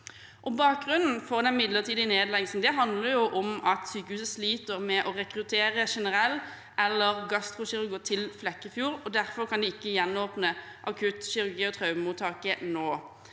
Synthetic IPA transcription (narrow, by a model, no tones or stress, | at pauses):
ʔɔbɑːk̚ɡʁʉnn̩fɔʁd̪ɛnmɪd̪ləʁt̪ʰiːd̪ɪneːd̪lɛɡsn̩d̪ɛɦɑnd̪ləɾjʊʔɔmɑt̪syːkəhʉːsəsliːt̪əʁmɛʔɔʁɛkɾʉt̪ʰeːʁəʃɛnəʁɛlː | ɛlːəʁɡɑst̪ʁʊʃɪʁʉɡʊt̪ʰɪlflɛkːəfjuːɾɔd̪æʁfɔʁkʰɑnd̪ɪɪkːəjɛnːoːpnəʔɑkʰʉt̪ʃɪʁʉʁɡiːɔt̪ʰʁɑʉmuːt̪ʰɑːkənoː